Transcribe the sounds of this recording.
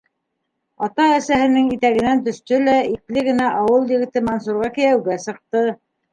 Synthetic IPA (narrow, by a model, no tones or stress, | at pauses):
ɑt̪ɑæsæɦɘ̆nɘŋit̪æɣɘ̆nænt̪ɵ̆ʃt̪ɵlæiklɘɡɘ̆næʔɑwɤlˠjɘ̆ɣɘ̆t̪ɘmɑnsuɾʁɑkɘ̆jæwɡæsɤ̆q̚t̪ɤ